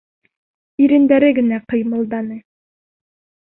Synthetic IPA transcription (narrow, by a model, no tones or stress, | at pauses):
iɾɘ̆nd̪æɾɘɡɘ̆næqɤ̆jmɤ̆lˠd̪ɑnɤ